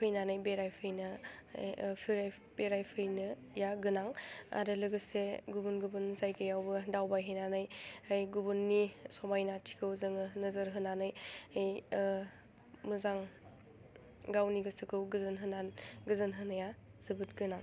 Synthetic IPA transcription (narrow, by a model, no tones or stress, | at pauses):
pʰɯjnanɯjbeɾajpʰɯjnɯ | pʰiɾaj | beɾajpʰɯjnɯ | jaɡɯnaŋa̰ɾɯlɯɡɯseɡubunɡubunzajɡɯjawbɯdawbajɦejnanɯjajɡubunːisɔmajnatʰi̥kʰɯwzɯŋɯnɯzəɾɦɯnanɯjaj | mɯzaŋ | ɡawniɡɯsɯkʰɯwɡɯzɯnɦɯnanɡɯzɯnɦɯnɯja | z̥ɯbɯt̚ɡɯnaŋ